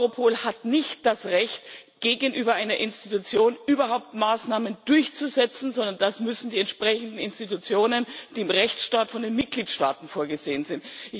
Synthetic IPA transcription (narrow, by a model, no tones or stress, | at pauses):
ʁopʰoːlhatnɪçt̚d̥asʁɛçtɡ̥eːɡənʔyːbɐʔaɪnɐʔɪnstitut͡sjoːnʔyːbɐɦaʊp̚tmaːsnaːmənd̥ʊɐçt͡suzɛt͡sn̩zɔndɐnd̥asmʏsn̩diːɛntʃpʁ̥ɛçn̩dn̩ɪnstitut͡sjoːnənd̥iːɪmʁɛçt͡sʃtaːtfɔndeːnmɪt̚ɡ̥liːtʃtaːtn̩foːɐɡəzeːənzɪntʔɪ